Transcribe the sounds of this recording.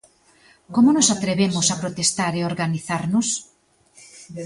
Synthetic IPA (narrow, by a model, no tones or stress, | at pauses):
komʊnosat̪ɾeβemʊsapɾot̪est̪aɾeoɾɣaniθaɾnʊs